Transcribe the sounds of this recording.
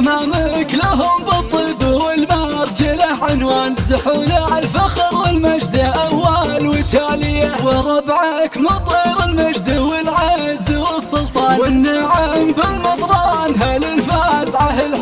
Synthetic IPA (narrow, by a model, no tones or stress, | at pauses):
mamalklaɦʊmbɨt̪ˤːibwɪlmaːɾt̪ɪlaʕɪnwaːnsaħuːlaʕɪlfaxɾwɪlmad͡ʒd̪aʔawːaːlwɪt̪aːlɪjawɪɾˤɑbʕakmɑt̪ˤiːɾɪlmad͡ʒd̪awɪlʕazwɪsˤːʊlt̪ˤɑːwɪnːaʕambɪlmɑt̪ˤɾˤɑnɦalɪlfaːsʕahɪl